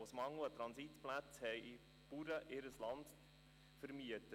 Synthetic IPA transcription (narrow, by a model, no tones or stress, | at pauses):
ʊsmɑŋuətɾɑnsitplæt͡shɛɪi | puɾəʔɪɾəslɑnd | fəɾmiətə